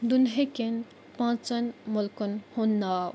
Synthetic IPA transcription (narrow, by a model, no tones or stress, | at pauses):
d̪unɦeken | pãːt͡sɐnmʊlkunhonːaː